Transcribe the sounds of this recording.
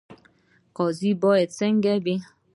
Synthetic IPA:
kɔzibɔeteŋ̩ɡɛbe

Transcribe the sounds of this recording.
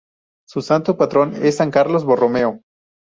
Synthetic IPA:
susant̪opat̪ɾo̞nesːaŋkaɾlozβoromeo

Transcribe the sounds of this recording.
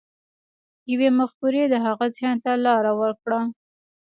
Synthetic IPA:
jawemaxkuɾed̪əɦaɣazjɑnt̪alɑɾawəɾkɽa

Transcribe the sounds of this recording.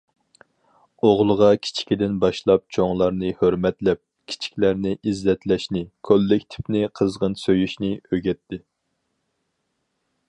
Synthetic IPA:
oʁlˠəʁɑkʲʰi̥t͡ʃʰi̥kʲid̪ɪnbɑʃlˠɑp̚t͡ʃʰoŋlˠɑɾnɨhøɾmɛt̪lɛp̚ | kʲʰi̥t͡ʃʰi̥kʲlæɾnɪʔizlɛt̪lɛʃnɪkʲʰølːɪkʲt̪ʰɪ̥pnɪqʰəzʁənsøjyʃnɪøɡʲɛt̪ʰːɪ

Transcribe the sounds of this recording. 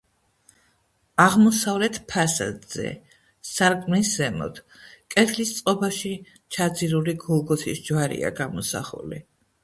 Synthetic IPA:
aʁmɔsavlɛt̪ʰpʰasa̰d̪z̥ɛ̰ | saɾkʼmniszɛmɔ̰t̪ʰ | kʼɛt̪ʰlist̪sʼqʼɔbaʃi | t͡ʃʰad̪ziɾuliɡɔlˠɡɔsʰisd͡ʒwaɾḭa̰ɡamɔsa̰χṵlḭ

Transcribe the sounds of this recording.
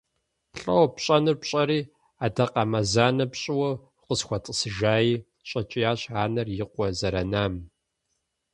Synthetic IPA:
ɬʼɐ̰wɐpɕʼɐnɨrpɕʼɐɾiː | aːdɐqɐmɐzaːnɐpɕʼɪwɐ | qəsxʷɔtʼəsɨʒaːjiː | ɕʼɐt͡ʃʼɪjaːɕaːnɐrjɪqʷɔzɐɾɐnaːm

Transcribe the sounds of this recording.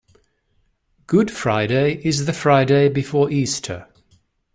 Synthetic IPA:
ɡ̥ʊd̥fɹaɪɾeɪʔɪzðəfɹaɪdeɪbɪfɔːɹiˑstʰə̰

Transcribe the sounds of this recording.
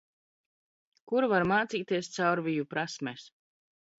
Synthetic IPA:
kuɾvaɾmaːt̪siːt̪iɛst̪sawɾvijupɾasmɛs

